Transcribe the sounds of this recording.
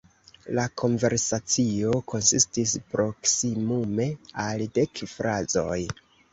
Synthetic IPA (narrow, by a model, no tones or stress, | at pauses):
lakʰo̞nve̞ɾsat͡sio̞kʰo̞nsistispɾo̞ksimume̞alde̞kfɾazo̞̰j